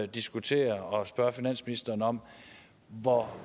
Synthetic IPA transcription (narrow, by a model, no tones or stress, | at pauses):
d̥isɡ̥ut͡sʰe̝̰ːɐɒ̽sb̥ɶɐfinæn̰sminisd̥ɐːnəɒ̽m̰ | ʋɒ